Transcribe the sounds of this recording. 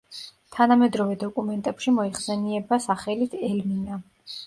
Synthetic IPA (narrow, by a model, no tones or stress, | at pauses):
t̪ʰanamɛd̪ɾɔvɛd̪ɔkʼumɛnt̪ʼɛpʃimɔiχsɛniɛbasaχɛlit̪ʰɛlmina